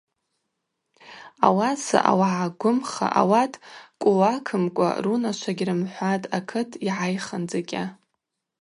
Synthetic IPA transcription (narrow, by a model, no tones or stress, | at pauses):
a̰wasa̰ʔa̰waʕaɡʷʊmχa̰ʔawatʼkʷʼʊwakʰɨmkʷʼa̰runaʃʷʰaɡʲrɨmħʷatʼakʰɨtʰʼiʕajχand͡zakʲʼa